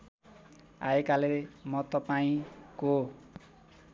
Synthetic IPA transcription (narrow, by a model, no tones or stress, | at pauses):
a̰ekalemʌt̪ʌpaĩko